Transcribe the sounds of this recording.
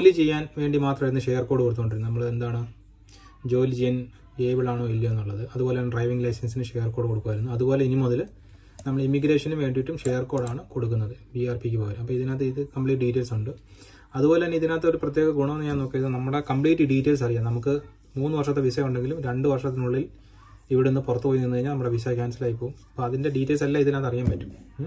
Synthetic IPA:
olit͡ɕe̞jːaːnʋe̞ːɳɖimaːt̪rɐmiɾunːɨʂejɐrkoːɽɨkoɽt̪ukoɳɖiɾunːunɐmːɐɭend̪aːɳɨ | d͡ʑo̞ːlid͡ʑijɐn | eːbiɭaːɳːilːɐenːuɭːɐðɨɐðubo̞ːlenɖrɐjʋiŋɡlɐjsɐnsinɨʂejɐrko̞ːɽɨko̞ɽukːʋaːjiɾunːuɐðubo̞ːle̞inimoðɐl | nɐmːɐɭimːiɡɾe̞ːʂɐnumʋe̞ːɳɖiʋiʈːumʂejɐrko̞ːɽaːɳɨko̞ɽukːunːɐðɨbiaːrpikʲːupoːɐɾumɐpːɐiðinaːt̪ːeiðɨkɐmpɭiːʈ̬ːɨɖiːtːe̞ːlsuɳɖɨ | ɐðubo̞ːle̞ɐnːeiðinaːt̪ːɐo̞ɾuprɐt̪ːjeːɣɐɡuɳɐmenːɨɲaːno̞ːkːijɐðɨnɐmːuɽe̞kɐmpɭiːʈːɨɖiːtːeːls̬ɐrijanɐmukːɨ | muːnːɨʋɐrʂɐt̪ːeʋisɐkːuɳɖe̞ŋɡilumɾe̞ɳɖɨʋɐrʂɐt̪ːinuɭːil | iʋiɽenːɨpurɐt̪ːupojunːenːkɐiɲːalnɐmːuɽeʋisakʲaːnsilaːjip̬ːoːumɐpːoɐðinde̞ɖiːtːelsɐlːaiðinaːt̪ːɐrijaːmpɐtːu̥m

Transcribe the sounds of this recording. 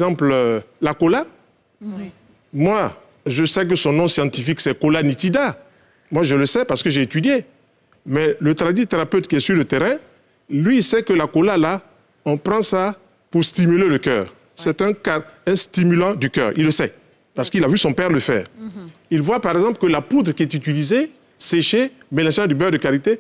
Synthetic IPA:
zɑ̃pllakola | mwa | ʒəsɛk̬əsɔ̃nɔ̃sjɑ̃t̪ifiksɛkolanit̪id̪a | mwaʒələsɛpaʁsə̥kəʒeet̪yd̪je | mɛlət̪ʁad̪it̪eʁapøt̪kʲiɛsyʁlət̪eʁɛ̃ | lɥisɛkəlakolala | ɔ̃pʁɑ̃sa | puʁst̪imyleləkœ̰ːʁ | sɛt̪ɛ̃kaɛ̃st̪imylɑ̃d̪ykœ̰ːʁḭlːəsɛ | paʁsə̥kilavysɔ̃pɛʁləfɛ̰ːʁ | ilvwapaʁɛɡzɑ̃plkəlaput̪ʁkʲiɛt̪yt̪ilize | seʃemelɑ̃ʒɑ̃d̪ybœʁd̪əkaʁit̪e

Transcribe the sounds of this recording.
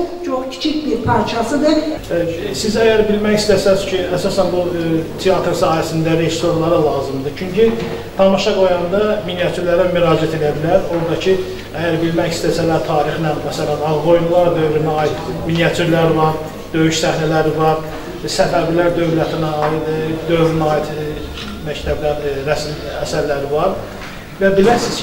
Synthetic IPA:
t͡ʃʰoχcʰi̥t͡ʃʰicbiɾpʰɑɾt͡ʃʰɑsɯd̪ɯ | sizæjæɾbilmæçist̪æsæzcʰiæsɑsænbut̪ʰijɑt̪ɾsɑːjæsind̪æɾe̞zst̪o̞ɾlˠɑɾɑlˠɑːzɯmd̪ɯt͡ʃʰyɲci | t̪ʰɑmɑʃɑɡo̞jɑnd̪ɑminijɑt̪ʰyɾlæɾæmyɾɑːd͡ʒæt̪ʰe̞d̪æbilæɾoɾd̪ɑcʰi | æjæɾbilmæçist̪æsælæɾt̪ʰɑːɾixnænmæsælænɑlɡo̞jumlˠɑɾd̪ø̞vɾynæɑːit̪minijɑt̪ʰuɾlæɾvɑɾ | d̪̥ø̞jyʃsæhnælæɾivɑɾ | sæbæbilæɾd̪ø̞vlæt̪ʰinæd̪ø̞vɾynɑːit̪ | mæct̪ʰæblæɾɾæsmæsæɾlæɾivɑɾ | væbilæɾsiz̥

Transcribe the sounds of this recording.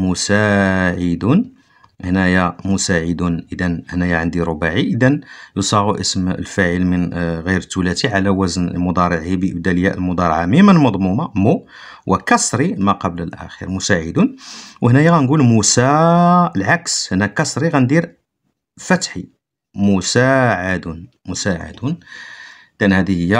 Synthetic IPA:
mʊsæʕəd̪un | hnæjæmʊsaʕəd̪unʔəd̪ænhnæjaʕənd̪iɾobaʕiʔəd̪ænjusˤɑɣuʔəsmə̰lfæʕəlmənɣiɾt̪ːulæt̪iʕalæwæznəlmʊd̪ˤɑɾˤʕibəʔəbd̪æləjːæ̰ʔlmʊd̪ˤɑɾˤʕamimənlmɑd̪ˤmumɑmu | wʔəkɑsˤɾimæqɑbləlʔæ̰xḭɾmʊsaʕəd̪unwəhnæjæɣænɡulmusæəlʕakshənækɑsˤɾiɣænd̪iɾ | fæt̪ħi | mʊsaʕad̪un | mʊsaʕa̰d̪un | d̪ʔænhæd̪ihəjːæ

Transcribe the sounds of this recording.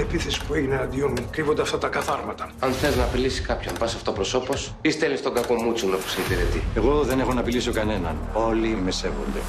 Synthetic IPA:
epiθesi̥pueʝineɐd̪ionmkɾivond̪eɐft̪ɐt̪ɐkɐθɐɾmɐt̪ɐɐnθeiznɐpilisi̥kɐpçonvɐsoɐft̪opɾo̞so̞po̞s | ist̪elist̪oŋɡɐko̞mut͡suno̞pu̥seipiɾet̪ie̞ɣo̞ðe̞ne̞xo̞nɐpiliso̞kɐne̞nɐ̰n | o̞limese̞vo̞̰nd̪e̞̰

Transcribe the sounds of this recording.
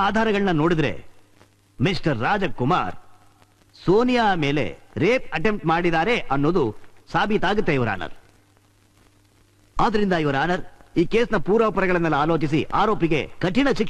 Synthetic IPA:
aːd̪ʱaːɾɐɡɐɭɐnɐno̞ːɽid̪ɾḛ | misʈɐɾːaːd͡ʒɐkːuma̰ːɾ | soːnijaːme̞ːle̞̰ɾeːp̚ɐʈe̞mʈmaːɽid̪aːɾe̞ʔɐnːoːd̪usaːbʱit̪aːɡut̪ːeiʋɐɾa̰ːnɐ̰ɾ | aːd̪ɐɾind̪ɐiʋɐɾaːnɐɾiːkeːsnɐpuːɾɐːpɐɾɐɡɐɭɐnːɐlːɐaːloːt͡ʃisiʔaːɾo̞ːpiɡe̞kɐʈːiɳɐt͡ʃik

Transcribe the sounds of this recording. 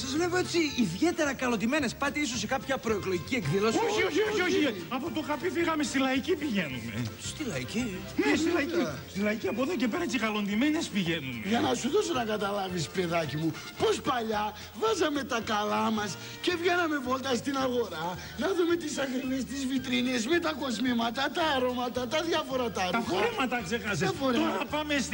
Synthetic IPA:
sɐzvle̞vo̞et͡siiðʝe̞t̪e̞ɾɐkɐlo̞nd̪ime̞ne̞spɐt̪eisosːekɐpçɐpɾoeklo̞ʝicie̞kðilosoçioçioioçiɐpot̪oɣɐpifiɣɐmest̪ilɐicipiʝe̞nume̞̰st̪ilɐici | silɐiist̪ilɐiciɐpoðoce̞peɾɐet͡siɣɐlo̞nd̪imenespiʝe̞numʝɐnɐsuðo̞sonɐkɐt̪ɐlɐvispe̞ðɐcimu | po̞spɐʎɐ | vɐzɐme̞t̪ɐkɐlɐmɐs | ce̞vʝe̞nɐme̞vo̞lt̪ɐst̪inɐɣo̞ɾɐ | nɐðume̞t̪isɐɣɾivest̪izvit̪ɾinezme̞t̪ɐko̞zmimɐt̪ɐt̪ɐːɾo̞mɐt̪ɐt̪ɐðʝɐfo̞ɾɐt̪ɐt̪ɐfoɾemɐt̪ɐksexɐzeɐfoɾeoɾɐpɐmes

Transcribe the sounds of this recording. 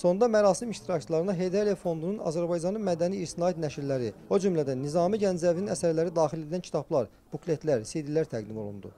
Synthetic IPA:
so̞nd̪ɑmæɾɑːsimiʃt̪ʰiɾɑcʰt͡ʃʰilˠɑɾɯnɑɦe̞jd̪elijɑfo̞nd̪ununɑ̰zæɾbɑjd͡ʒɑnɯnmæd̪æniisinɑːit̪næʃiɾlæɾio̞d͡ʒumlæd̪ænːizɑːmiɟænd͡ʒzævininæsæɾlæɾid̪ɑːχxiled̪ilæncʰi̥t̪ʰɑblˠɑɾ | b̥ukle̞t̪ʰlæɾsid̪ilæɾt̪ʰæɡd̪imo̞̰lˠṵnd̪ṵ

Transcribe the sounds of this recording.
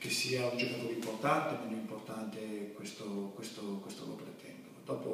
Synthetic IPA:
k̟esːiːaund͡ʒɛnːokolimport̪ant̪emenoimport̪ant̪ekwest̪okwest̪okwest̪olo̰pɾet̪ːɛmpod̪ɔːpo

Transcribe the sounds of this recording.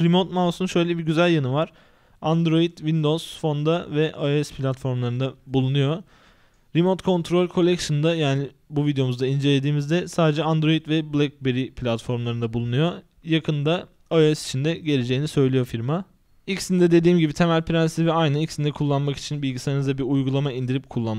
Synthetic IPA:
ɾimo̞t̪mawsunʃø̞jlʲɛbiɟyzælʲjanɯvaɾ̥ | and̪ɾo̞jid̪vind̪o̞z̥fo̞nd̪avɛʔaoɛspʰlʲat̪fo̞ɾmlˠaɾɯnd̪abulˠunujo̞ | ɾimo̞t̪kʰo̞nt̪ʰɾo̞lʲkʰo̞lʲɛcʃɯnd̪ajaːni | buvid̪ejo̞muzd̪aind͡ʒe̞lʲe̞d̪iːmizd̪ɛsaːd̪ed͡ʒɛand̪ɾo̞jit̪vɛblʲɛk̚beɾipʰlʲat̪fo̞ɾmlˠaɾɯnd̪abulˠunujo̞ | jakʰɯnd̪a | aoɛsi̥t͡ʃʰind̪ɛɟe̞lʲe̞d͡ʒejinisø̞jlʲijo̞fiɾma | icsind̪ɛd̪e̞d̪iːmɟibit̪ʰe̞mælʲpɾansivɛajnaicsind̪ɛkʰulˠːanmaki̥t͡ʃʰinbilʲɟisaɾanɯzd̪abiɾujɡulˠamaind̪iɾip̚kʰulˠːanm

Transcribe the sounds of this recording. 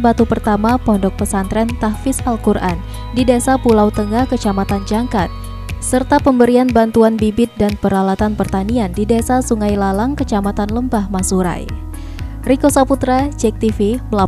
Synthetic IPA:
bat̪upərt̪amapɔndɔk̚pəsant̪ɾɛnt̪ahfɪsalkurʔa̰n | didasapulawt̪əŋahkət͡ʃamat̪and͡ʒaŋkat̪̚ | sərt̪apəmbəɾianbant̪uanbibɪt̪̚danpəɾalat̪anpərt̪aniandidasasuŋajlalaŋkət͡ʃamat̪anləmbahmasuɾa̰j | rikosaput̪ɾad͡ʒɛk̚t̪ifiməla

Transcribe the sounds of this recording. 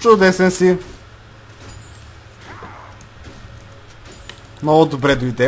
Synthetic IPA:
t͡ʃʊd̪ɛsɛnsi | mnɔlʊd̪obɾɛd̪ʊid̪ɛ

